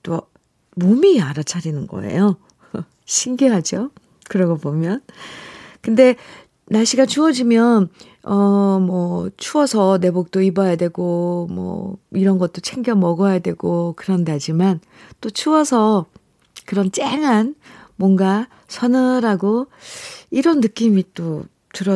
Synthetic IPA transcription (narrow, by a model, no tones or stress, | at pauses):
t͈o | momiaɾat͡ɕʰaɾinɯnɡʌ̰e̞̰jo | ɕʰinɡeɦad͡ʑo | kɯɾʌɡobomjʌn | kɯnde̞ | naɕʰiɡat͡ɕuʌd͡ʑimjʌn | ʌmʌt͡ɕʰuʌsʰʌne̞bok̚t͈oibʌjadwe̞ɡomwʌ̰iɾʌnɡʌt̚t͈ot͡ɕʰeŋɡjʌmːʌɡʌjadwe̞ɡokɯɾʌnde̞ɦad͡ʑiman | t͈ot͡ɕʰuʌsʰʌ | kɯɾʌnt͡ɕ͈eŋɦanmwʌŋɡa | sʰʌnɯɾaɡo | iɾʌnːɯk͈imit͈o | tɯɾʌ